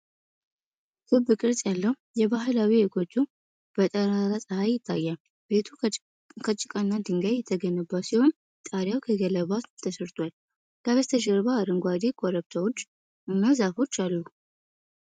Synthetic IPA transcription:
sɨbɨkʼɨɾsʼjalːəhujɛbaɦɨlawiekʰo̞t͡ʃːu | b̥ət̪ʼəɾaɾasʼəhajːɪt̪ʰːa̰jːal | bet̪ʰu | kʰət͡ʃʼːɪkʼənːad̪ɨŋɡajːɛt̪ʰːəɡənəbasiho̞n | t̪ʼaɾjawkʰəɡələβat̪t̪ʰəsɨɾt̪ʰwal | laβəst̪ʰəd͡ʒəɾβaaɾɨŋɡʷad̪ekʰʼoɾəβt̪ʰawot͡ʃː | ɨnːazafo̞t͡ʃːalːu

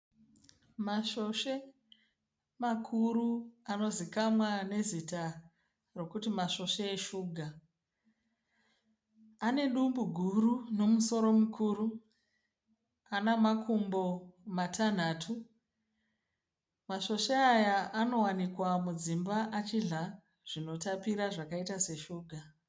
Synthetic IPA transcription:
maʃo̞ʃe̞ | makʰuɾuano̞zikamwane̞zita | ro̞kutimaʃo̞ʃeːʃuːɡʱa | ane̞ɗumbuɡʱuruno̞muso̞ɾo̞mukʰuːru | anamakʰumbo̞matʰan̤atʰu | maʃo̞ʃeajaano̞wanikwamud͡zimbaʔat͡ʃiɮa | ʐ̥ino̞tapiɾaʐakaitase̞ʃuːɡʱa

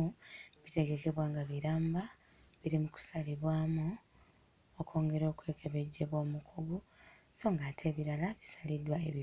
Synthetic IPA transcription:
uβite̞ɡe̞ke̞βwaːŋɡaβiɾaːmba | βiɾimuku̥saliβwaːmu | okʰo̞ːŋɡe̞ɾo̞ːkwe̞ːke̞βe̞ɟːe̞βwo̞ːmukʰuɡu | so̞ŋɡaːtʰe̞ːβiɾalaβi̥salidwaeβi

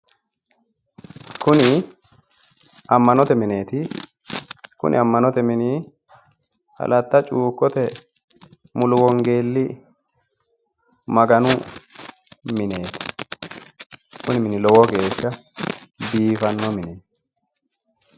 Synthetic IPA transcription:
kʊnɪ | ɐmːɐnɔt̪ɛmɪne̞ːt̪ɪ | kʊ̰nʔɪ̰ɐmːɐnɔt̪ɛmɪniː | hɐ̰lʔɐt̪ːɐt͡ʃʼuːkːɔt̪ɛ | mʊlʊwɔŋɡe̞ːlːɪ | mɐɡɐnʊ | mɪneːt̪ɪ̥ | kʊnɪmɪnɪlɔwɔɡe̞ːʃːɐ | biːfɐnːɔmɪneː

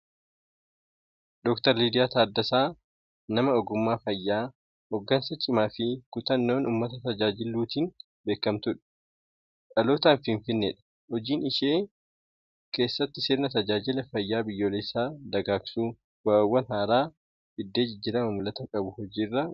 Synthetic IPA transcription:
d̪ɔkt̪ɐɾliːd̪ɪjaːt̪aːd̪ːɐsaː | nɐmɐɔɡʊmːaːfɐjːaː | hɔɡːɐnsɐt͡ʃʼɪmaːfɪkʊt̪ɐnːo̞ːnʔuːmːɐt̪ɐt̪ɐd͡ʒaːd͡ʒɪlːuːt̪iːn | be̞ːkːɐmt̪ʊᶑɐ̥ | ᶑʼɐloːt̪aːnfɪɱfɪnːeᶑɐ̥ | hɔd͡ʒiːnɪʃeː | ke̞ːsːɐt̪ːɪseːɾnɐt̪ɐd͡ʒaːd͡ʒɪlɐfɐjːaːbɪjːo̞ːlɛsːaːd̪ɐɡaːksuː | waːwːɐnɦaːɾaː | ɪd̪ːe̞ːd͡ʒɪd͡ʒːɪɾɐmɐmʊlɐt̪ɐkʼɐbʊhɔd͡ʒiːrːɐ

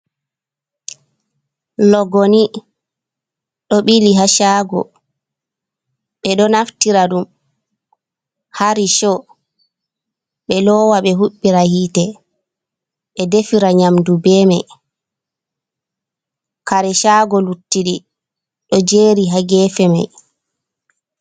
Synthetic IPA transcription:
lɔɡoni | ɗɔɓiliɦaʃaːɡɔ̰ | ɓɛɗɔnaftiɾaɗum | haɾiʃɔ | ɓɛlɔːwaɓɛɦuɓːiɾahiːtɛ | ɓɛdefiɾaɲamdubɛːmaj | kaɾɛʃaːɡɔlutːiɗi | ɗɔd͡ʒeːɾiɦaɡɛːfɛma̰j

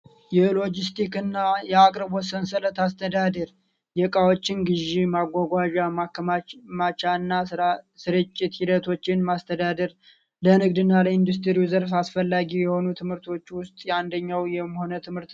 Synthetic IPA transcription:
jɛlo̞d͡ʒist̪ʰikɨnːajɛakʼɾɨbwɔsːənsələt̪ast̪ʰəd̪ad̪əɾ | jɛkʼawo̞t͡ʃːɪnɡɨʒːemaɡʷaɡʷaʒaakmat͡ʃaɨnːasɨɾɨt͡ʃʼːɪt̪hid̪ət̪ʰo̞t͡ʃːɪnmast̪ʰəd̪ad̪əɾ | lənɨɡd̪ɨnːaləind̪us̬t̪ʰɨɾiwzəɾfasfəlːaɡijɛho̞nut̪ʰɨmhɨɾt̪ʰo̞t͡ʃːwʊst̪ʼjɛand̪əɲːawjɛmho̞nət̪ʰɨmhɨɾt̪

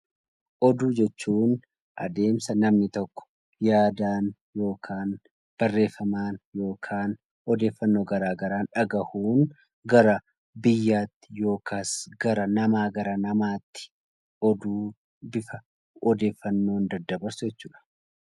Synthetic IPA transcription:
ʔɔd̪uːd͡ʒɛt͡ʃːuːn | ʔɐ̰d̪e̞ːmsɐnɐmnɪt̪ɔkːɔ̥ | jaːd̪aːn | jo̞ːkʰaːn | b̥ɐrːe̞ːfːɐmaːnjo̞ːkʰaːn | ɔd̪e̞ːfːɐnːo̞ːɡɐɾaːɡɐɾaːnᶑɐɡɐhuːn | ɡɐɾɐ | bɪjːaːt̪ːɪ̥jo̞ːkʰaːsɡɐɾɐnɐmaːɡɐɾɐnɐmaːt̪ːɪ̥ | ɔd̪uː | bɪfɐ | ɔd̪e̞ːfːɐnːo̞ːnd̪ɐd̪ːɐbɐɾsʊd͡ʒɛt͡ʃːuːᶑɐ̥

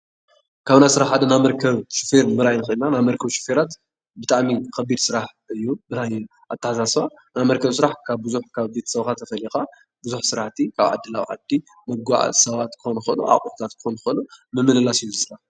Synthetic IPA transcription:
kʰaβnajsɨɾaħħad̪ɐnamɐɾkʰɐβʃufeɾmɨɾajnɨxɨɨnːanamɐɾkʰɐβʃɪ̥feɾat̪ | bɨt̪ʼaʕmikʰɐbid̪sɨɾaħ | ɨjːubɨt̪ʰaj | ʔat̪ʰːɐħasasa | namɐɾkʰɐβsɨɾaħkʰaβbɨzuħkʰaβbet̪ʰɐ̥sɐβxat̪ʰːɐfɐlixa | bɨzuħsɨɾaħt̪ʰikʰaβʕa̰d̪ːɨlawʕa̰d̪i | mɐɡa̰ʕa̰sɐβat̪kʰɨ̥xonxonṵʔa̰χʼuut̪ʰat̪kʰɨ̥xonxonumɨmːɨlɨlasɨjːuzɨsɾa

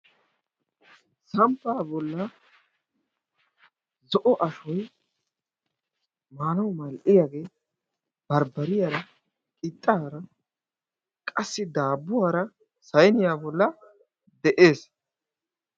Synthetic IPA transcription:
sɐmpːaːbɔlːɐ | zɔʔɔʔɐʃɔj | maːnɐwmɐlʔɪjaːɡe̞ː | b̥ɐɾbɐɾɪjaːɾɐ | kʼɪt̪ʼːaːɾɐ | kʼɐsːɪd̪aːbːʊwaːɾɐ | sɐjnɪjaːbɔlːɐ | d̪ɛʔe̞ːs

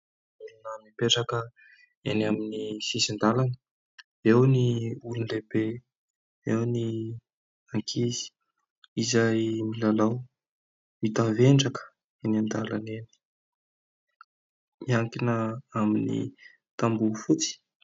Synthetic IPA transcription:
ulunəmipeʈ͡ʂakə | enaminisisind̪alanə | ewniulunlebe | ewni | aŋkʰizi̥ | izajmilalaw | it̪aveɳɖ͡ʐakə̥ | enand̪ala̰neni̥ | miaŋkinəaminḭ | t̪ambufut͡si̥

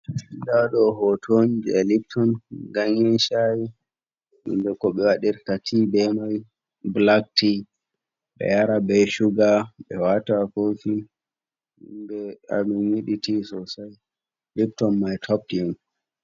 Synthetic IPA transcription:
idaɗɔhɔtʰond͡ʒiɛlip̚tʰɔnɡaŋinʃaji | ḭndɛkɔɓɛwaɗiɾkatʰibɛmaj | blak̚ti | ɓɛ̰jaɾabɛʃuɡaɓɛ̰watafofi | ndɛa̰minjiɗitisɔsaj | lip̚tɔnmajtʰɔp̚tjɛn

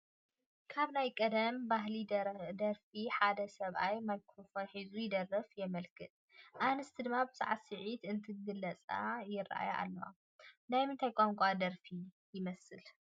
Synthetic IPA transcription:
kʰaβnajkʼɐd̪ɐmbaɦlid̪ɐɾfiħad̪ɐsɐβʔajmajkʰɾofonħizujɪd̪ɐrːɐfjɛmɐlkʰɨt̪̚ʼ | ʔanɨst̪ʰid̪ɨmːabɨza̰ʕasɨʕit̪ɨnt̪ʰɨɡɨlɐt͡sʼa̰jɪrːa̰ʔa̰jʔa̰lːɐwa̰ | najmɨnt̪ʰajkʼaŋkʷʼad̪ɐɾfi | jɪmɐsɨl

